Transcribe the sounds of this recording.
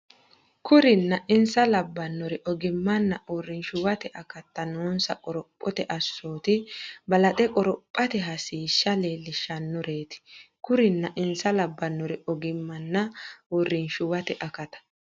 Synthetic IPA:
kʊɾɪnːɐʔɪnsɐlɐbːɐnːɔɾɪʔɔɡɪmːɐnːɐʔɔrɪnʃʊwɐt̪ɛʔɐkɐt̪ːɐnoːnsɐkʼɔɾɔpʼːɔt̪ɛʔɐsːoːt̪ɪbɐlɐt̪ʼɛkʼɔɾɔpʼːɐt̪ɛɦɐsiːʃːɐleːlːɪʃɐnːɔɾe̞ːt̪ɪ̥kʊɾɪnːɐʔɪnsɐlɐbːɐnːɔɾɪɔɡɪmːɐnːɐɔrːɪnʃʊwɐt̪ɛʔɐkɐt̪ɐ̥

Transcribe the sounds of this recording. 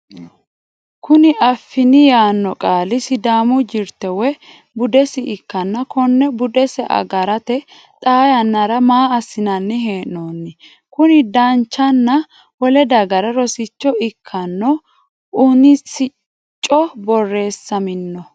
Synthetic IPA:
kʊnɪʔɐfːɪnɪjaːnːɔkʼaːlɪsɪd̪aːmʊd͡ʒɪɾt̪ɛwɛ | bʊd̪ɛsɪʔɪkːɐnːɐkʰɔnːɛbʊd̪ɛsɛʔɐ̰ɡɐɾɐt̪ɛ | t̪ʼaːjɐnːɐɾɐmaːɐsːɪnɐnːɪɦeːʔnoːnːɪ | kʊnɪd̪ɐnt͡ʃːɐnːɐ | wɔlɛd̪ɐɡɐɾɐɾɔsɪt͡ʃːɔɪkʰːɐnːɔ | ʊnɪsɪ | t͡ʃʼːɔbɔrːe̞ːsːɐmɪnːɔ

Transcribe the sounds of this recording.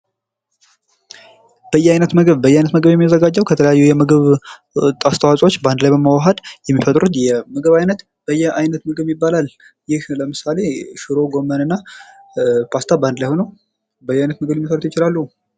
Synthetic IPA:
b̥əjːɛajnət̪məɡəβbəjːajnət̪məɡəβjɛmːijazəɡad͡ʒːəwkʰət̪ʰələjajːujɛməɡɨβ | t̪ʼast̪ʰəwasʼo̞t͡ʃːband̪lajbəmawaɦəd̪jɛmːifət̪ʼɾut̪jɛməɡəβajnət̪ | b̥əjːɛajnət̪məɡɨβjɪbːalalː | jɪhləmɨsale̞ʃɨɾo̞ɡo̞mːənɨnːa | pʰast̪ʰaband̪lajhonəw | bəjːajnət̪məɡɨbjɛmːifaɾt̪ojt͡ʃɪlalːəhu

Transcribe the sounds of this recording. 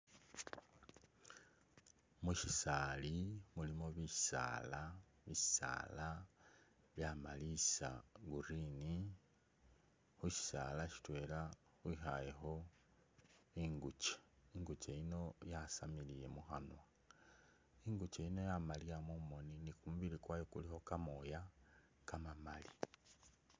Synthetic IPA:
muʃisalimulimoβisa̰ːla | βi̥sa̰ːla | βjamalisa̰ɡuɾini | xuʃi̥sa̰laʃi̥twe̞ːla | xwixaje̞xo̞ | iŋɡut͡ʃe̥iŋɡut͡ʃeino̞jasamilije̞muxanwa | iŋɡut͡ʃeino̞jamalijamomo̞ninikumuβiɾikwajokulixo̞kamo̞ja | kamamali

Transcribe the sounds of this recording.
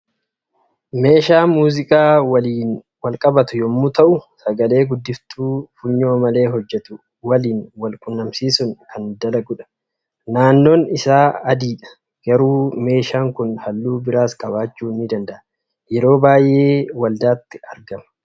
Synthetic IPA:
me̞ːʃaːmuːzɪkʼaːwɐliːn | wɐlkʼɐbɐt̪ʊjɔmːʊt̪ɐʔʊsɐɡɐle̞ːɡʊd̪ːɪft̪uːfʊɲːo̞ːmɐle̞ːɦɔd͡ʒːɛt̪ʊ | wɐliːnwɐlkʼʊnːɐmsiːsʊŋkʰɐnd̪ɐlɐɡʊᶑɐ̥ | naːnːoːnɪsaːɐd̪iːᶑɐ̥ | ɡ̥ɐɾuːme̞ːʃaːŋkʊnhɐlːuːbɪɾaːskʼɐbaːt͡ʃːuːnːɪd̪ɐnd̪ɐʔɐ | jɛɾo̞ːbaːjʔe̞ːwɐld̪aːt̪ːɪɐɾɡɐmɐ̥

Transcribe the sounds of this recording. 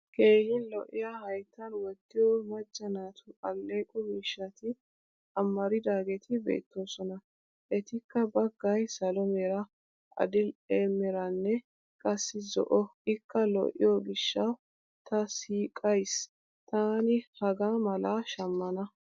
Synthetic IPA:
kʰe̞ːhɪnlɔʔɪ̰jahɐjt̪ːɐnwɔd̪ːɪjɔmɐd͡ʒːɐnaːt̪ʰʊɐlːeːkʼɔmɪʃːɐt̪ɪ | ɐmːɐɾɪd̪aːɡɛt̪ʰɪbḛːt̪ːo̞ːsɔnɐ | ʔɛt̪ɪkːɐbɐɡːɐjsɐlɔmɛɾɐ | ʔɐ̰d̪ɪleːmːɛɾɐnːɛ | kʼɐsːɪzɔ̰ʔɔʔɪkːɐlɔ̰ʔɪ̰jɔɡɪʃːɐ | t̪ɐsiːkʼɐjs | t̪aːnɪhɐɡaːmɐlaʃɐmːɐnɐ

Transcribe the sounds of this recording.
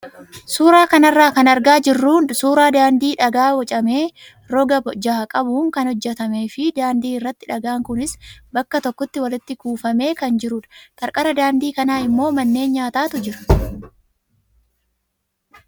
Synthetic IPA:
suːɾaːkɐnɐrːaːkɐnɐɾɡaːd͡ʒɪrːuːnsuːɾaːd̪aːnd̪iːᶑɐɡaːwɐt͡ʃʼɐme̞ː | ɾɔɡɐd͡ʒaːkʼɐbuːŋkɐnhɔd͡ʒːɛt̪ɐme̞ːfɪd̪aːnd̪iːɪrːɐt̪ːɪᶑɐɡaːŋkʊnɪsbɐkːɐt̪ɔkːɔt̪ːɪwɐlɪt̪ːɪkuːfɐme̞ːkɐnd͡ʒɪɾʊᶑɐ̥t̪ʼɐɾkʼɐɾɐd̪aːnd̪iːkɐnaːɪmːo̞ːmɐnːe̞ːnɲaːt̪aːt̪ʊd͡ʒɪɾɐ̥

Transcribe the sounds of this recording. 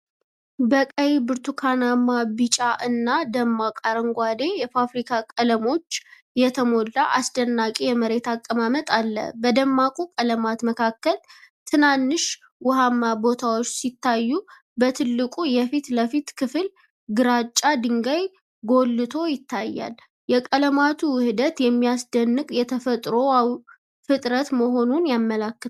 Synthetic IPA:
bəkʼəjbɨɾt̪ʰukʰanamːabɨt͡ʃʼaʔɨnːad̪əmːakʼaɾəŋɡʷad̪e̞jɛfafɾikʰakʼələmo̞t͡ʃː | jɛt̪ʰəmo̞lːaʔasd̪ənːakʼijɛməɾe̞t̪akʼːəmamət̪ʼalːə̰bəd̪əmːakʼukʼələmat̪məkʰakːəlt̪ʰɨnanːɨʃ | wʊhamːabo̞t̪ʰawot͡ʃːsit̪ːajːu | bət̪ʰɨlːɨkʼujɛfit̪ləfit̪kʰɨfɨl | ɡɨɾat͡ʃʼːad̪ɨŋɡaj | ɡo̞lːɨt̪ʰo̞jɪt̪ʰːajːa̰l | jɛkʼələmat̪ʰuwɨhɨd̪ət̪jɛmːijasd̪ənːɨkʼjɛt̪ʰəfət̪ʼɾo̞aw | fɨt̪ʼɾət̪məɦo̞nunjamːəlakːɨ

